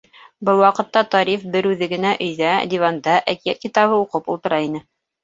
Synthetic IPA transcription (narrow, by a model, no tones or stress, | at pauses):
bɤlˠwɑqɤ̆t̪ːɑt̪ɑɾifbɘɾʉðɘ̆ɡɘ̆næʔɵ̆jðæd̪ʲivɑnd̪ɑʔækijæt̪̚kit̪ɑβɤuqɤpṵlˠt̪ɤ̆ɾɑinɘ